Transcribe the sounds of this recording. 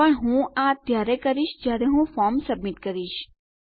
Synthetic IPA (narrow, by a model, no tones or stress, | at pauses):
əɳɦũat̪jaɾekəɾiʃd͡ʒjaɾeɦũfɔɾmsəbmiʈkəɾiʃ